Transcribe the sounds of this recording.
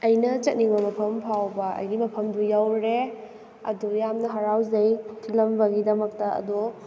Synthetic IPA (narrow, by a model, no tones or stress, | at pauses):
ɐjnɐt͡ʃɐt̚niŋbɐmɐpʰɐmpʰawbɐɐ̰jɡimɐpʰɐmdujawɾe | ɐ̰dujamnɐɦaɾawzɐjtʰilɐmbɐɡidɐmɐk̚tɐɐ̰du